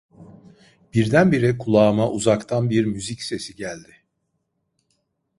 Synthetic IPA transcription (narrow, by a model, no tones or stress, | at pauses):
b̥iɾd̪ænbiɾɛkʰulˠaːmaʔuzakt̪ʰanbiɾmyzicse̞siɟælʲd̪ɪ